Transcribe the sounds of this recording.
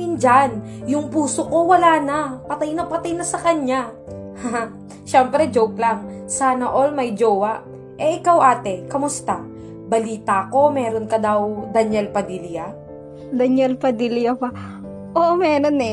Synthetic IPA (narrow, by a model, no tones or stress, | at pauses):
ɪnd͡ʒan | jʊŋpuːsoko̞wɐlaːnapɐt̪ajnɐpɐt̪ajnɐsɐkɐɲa | ha | ʃɛmpɾɛd͡ʒowklaŋsaːnɐʔolmɐjd͡ʒoːwɐʔ | ʔɛʔɪkawʔaːt̪ɛkɐmʊst̪a | bɐliːt̪ako̞mɛːɾonkɐd̪ɐwd̪ɐnɛlpɐd̪ilja | d̪ɐɲjɛlpɐd̪iljɐpɐ | ʔoʔmɛːɾonɛ